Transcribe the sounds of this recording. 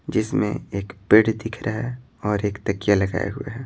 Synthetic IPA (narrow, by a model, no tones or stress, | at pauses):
d͡ʒɪsmḛ̃eːkpɪɽd̪ɪkʰɾʔaɦɛ | ɔːɾeːkt̪ɐkijalɐɡa̰ːjḛɦʊḛɦɛː